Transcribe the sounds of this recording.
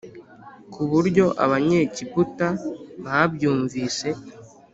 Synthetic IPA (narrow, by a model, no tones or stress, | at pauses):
kuβuɾɟo̞ʔa̰βaɲe̞ːcibutaβabjuːɱviːse̞